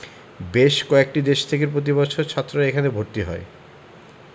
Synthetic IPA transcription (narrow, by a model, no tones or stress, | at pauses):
beʃkɔek̚ʈid̪eʃt̪ʰek̬eɾpɾot̪̬ibɔt͡ɕʰoɾt͡ɕʰat̪ːɾoɾaekʰanebʱoɾt̪iɦɔḛ